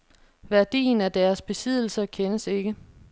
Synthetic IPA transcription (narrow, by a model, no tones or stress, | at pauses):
ʋæɐd̥ḭːnæɐd̥æɐsb̥e̝sið̞̰ˠl̩sɐkʰenəse̝ɡ̥ə